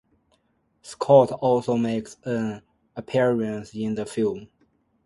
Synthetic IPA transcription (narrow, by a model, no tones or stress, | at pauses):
skʰɔtʰɔlˠsoʊmeɪksə̃n | əpʰɪɹə̃nsɪ̃nðəfilˠm